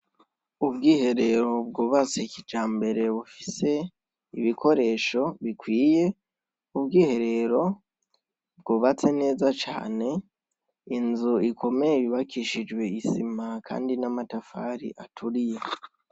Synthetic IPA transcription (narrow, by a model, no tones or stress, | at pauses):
ubɡiːhe̞ɾe̞ɾo̞b̚ɡoːβat͡sekid͡ʒaːmbe̞ɾe̞βufise̞ | iβikʰo̞ɾe̞ːʃo̞βikwiːje̞ | ubɡiːhe̞ɾe̞ɾo̞ | b̚ɡoːβat͡se̞ne̞ːzat͡ʃa̰ːne̞ | inzuikʰo̞meiβiβakiʃid͡ʒwe̞isimakʰa̰ːndinamatafaɾḭʔatʰuɾije̞